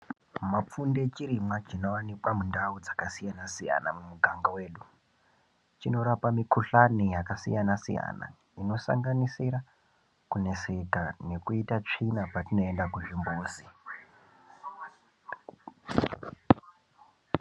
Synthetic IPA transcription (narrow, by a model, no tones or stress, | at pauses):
map͡funde̞t͡ʃiɾimwat͡ʃino̞wanikwamundaud͡zakasijanasija̰namumuɡʱaŋɡawe̞ːɗu | t͡ʃino̞ɾapamikʰuɬanijakasḭjanasḭja̰na̰ | ino̞sa̰ŋɡanisiɾa | kune̞se̞kane̞kuitat͡ʂinapatino̞endakuʐimbuːzi